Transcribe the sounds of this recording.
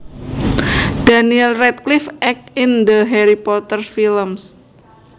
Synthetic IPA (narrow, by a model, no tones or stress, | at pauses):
d̥aniɛlrɛt̪̚klifʔɛk̚ind̪əɦɛɾipɔt̪ərfiləms